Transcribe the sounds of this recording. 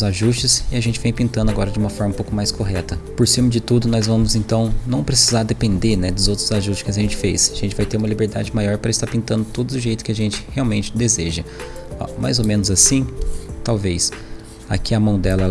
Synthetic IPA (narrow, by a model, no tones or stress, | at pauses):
zaʒust͡ʃɪsɪaʒẽnt͡ʃɪvẽj̃pĩnt̪ɐ̃nd̪ʊaɡɔɾɐd͡ʒɪũmɐfɔɾmɐũpowkʊmajskoɦɛt̪ɐpoɾsĩmɐd͡ʒɪt̪ud̪ʊnɔzvɐ̃mʊzẽnt̪ɐ̃w̃nɐ̃w̃pɾesizaɾd̪epẽnd̪eɾnɛd̪ʊzowt̪ɾʊzaʒustt͡ʃɪskɪɐsʒẽnt͡ʃɪ̥fesaʒẽnt͡ʃɪvajt̪eɾũmɐlibeɾd̪a̰d͡ʒɪmajɔɾpɾɐɪst̪aɾpĩnt̪ɐ̃nd̪ʊt̪od̪ʊd̪ʊʒejt̪ʊ̥kɪaʒẽnt͡ʃɪ̥heawmẽnt͡ʃɪ̥d̪ezeʒɐɔ̰ma̰jzomẽnʊzasĩt̪awvejs | a̰kiɐmɐ̃w̃d̪ɛlɐ